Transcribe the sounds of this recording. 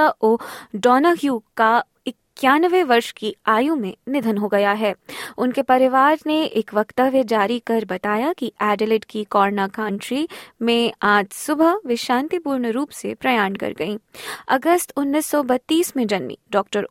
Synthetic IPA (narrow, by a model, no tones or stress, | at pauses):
aʔoːɖɔːnaɦjuːka | ɪkjaːnʋẽʋɐɾʃkiaːjũmẽnɪd̪ʱənɦoɡɐjaɦɛːʊnkepɐɾɪʋaːɾneʔeːkʋɐkt̪əʋjəd͡ʒaːɾikɐɾbɐt̪aːjakiʔɛːɖelɪʈkikɔːɾnakãːɳʈɾimẽaːd͡ʒsʊbʱəʋɪʃãːnt̪ipuːɾɳəɾuːpsepɾɐjaːɳkɐ̰ɾɡɐĩːɐ̰ɡəst̪ʊnːiːsːɔbɐt̪ːiːsmẽd͡ʒɐnmḭɖɔːk̚ʈəɾ